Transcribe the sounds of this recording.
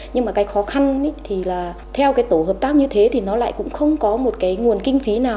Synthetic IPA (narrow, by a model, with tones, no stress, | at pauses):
ɲɨ˧ŋmaː˨˩kaː˨˦jxɔ˨˦xa˧n˨˦t̪ʰi˨˩laː˨˩ | t̪ʰɛ˧wkaː˨˦jt̪o˧˩həː˨˩p̚t̪aː˦˥k̚ɲɨ˧t̪ʰe˨˦t̪ʰi˨˩nɔ˨˦la̰ː˧˨jkʊ̰˧˥ŋ͡mxə˧wŋ͡mkɔ˨˦mo˨˩t̚kaː˨˦jŋu˨˩ənkï˧ŋ̟fi˨˦naː˨˩